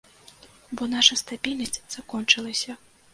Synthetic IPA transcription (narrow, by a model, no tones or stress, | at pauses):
bɔnaʂɐst̪abʲilʲnɐsʲt͡sʲz̥akɔnt͡ʂɨlˠɐsʲɐ